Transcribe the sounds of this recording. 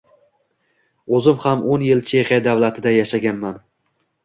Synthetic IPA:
ɵzɪmhamʔonjɪlt͡ʃʰe̞χijad̪avlat̪ʰɪd̪ajaʃaɡʲanman

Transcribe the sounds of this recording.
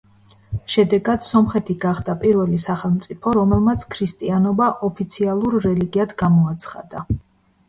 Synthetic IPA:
ʃɛd̪ɛɡad̪̥sɔmχɛt̪ʰiɡaχd̪apʼiɾvɛlisaχɛlˠmt̪sʼipʰɔɾɔmɛlˠmat̪sʰkʰɾist̪ʼianɔbaʔɔpʰit̪sʰialˠuɾːɛliɡiad̪ɡamɔat̪sʰχa̰d̪a

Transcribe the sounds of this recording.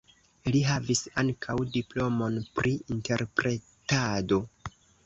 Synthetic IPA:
liɦavisaŋkʰawdiplo̞mo̞npɾiinte̞ɾpɾe̞ | tado̞

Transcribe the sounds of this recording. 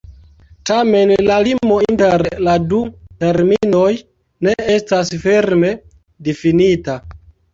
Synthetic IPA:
tame̞nlalimo̞inteɾladute̞ɾmino̞j | ne̞estasfeɾme̞ | difinita

